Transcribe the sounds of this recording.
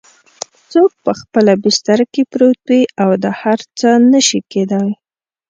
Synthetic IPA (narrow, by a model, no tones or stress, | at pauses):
t͡sok̚pəxpəlabɪst̪aɾakepɾot̪wiawd̪əhaɾt͡sənəʃiked̪aj